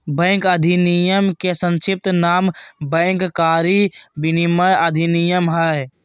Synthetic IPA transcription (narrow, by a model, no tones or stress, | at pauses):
bɛ̃ːŋkɐd̪ʱinijəmkesə̃nʃɪp̚t̪naːmbɛ̃ːŋkkaːɾibɪniməjɐd̪ʱinijəmɦəj